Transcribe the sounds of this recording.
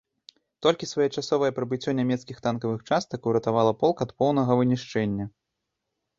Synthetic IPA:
t̪ɔlʲkʲisvɐjɛt͡ʂasɔvɐjɛpɾɐbɨt͡sʲːɔnʲamʲɛt̪skʲixt̪ankɐvɨxt͡ʂast̪ɐkuwɾɐt̪avalˠɐpɔlˠkɐt̪pɔwnɐɣɐvɨnʲiʂt͡ʂɛnʲːɐ

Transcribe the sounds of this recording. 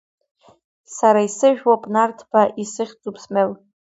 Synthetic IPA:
saɾaisɨʒᶣwapʼnartʰbaʔisɨχʲt͡sʼupʰsmel

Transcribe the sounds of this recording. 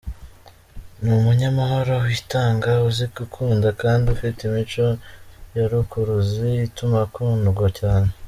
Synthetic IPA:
numuɲamaɦo̞ɾo̞witaːŋɡauzikukʰuːndakaːndiufitimit͡ʃo̞jaɾukuɾuziːtumakuːnduɡwacaːne

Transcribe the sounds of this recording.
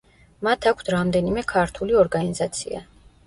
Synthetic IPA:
mat̪ʰakʰt̪ʰɾamd̪ɛnimɛkʰaɾt̪ʰuliɔɾɡanizat̪sʰḭa̰

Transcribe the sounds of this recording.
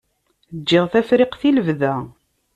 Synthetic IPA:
əd͡ʒːɪʁθæfɾɪqθiləvðæ

